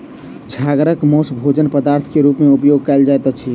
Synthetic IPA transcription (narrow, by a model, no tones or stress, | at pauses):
t͡ʃʰaɡɾəkmosbʱod͡ʒənpəd̪aɾt̪ʰkeɾupmeupjoɡ̚kaeld͡ʒajt̪at͡ʃʰi